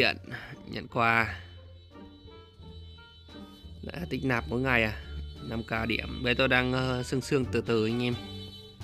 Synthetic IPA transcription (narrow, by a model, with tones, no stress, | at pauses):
ḭ˧˨ənɲə̰˧˨nkwaː˧ | la̰˧˨˩t̪i˦˥k̟̚naː˨˩p̚moː˨˦jŋa˨˩jʔaː˨˩na˧mkaː˧ɗḭ˧˩əmɓə˧˨˦jt̪o˧jɗaː˧ŋː˧sɨ˧ŋsɨ˧əŋt̪ɨ˨˩t̪ɨː˨˩˧ŋʔe˧m